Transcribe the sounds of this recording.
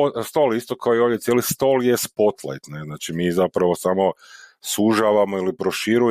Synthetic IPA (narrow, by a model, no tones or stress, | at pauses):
st̪olist̪okaojoʋdʲjet̪sjelist̪oljespo̞t̪lˠa̰jt̪neznaːt͡ʃimiːzapɾaʋo̞samo̞suʒaʋamo̞ilipɾo̞ʃiɾu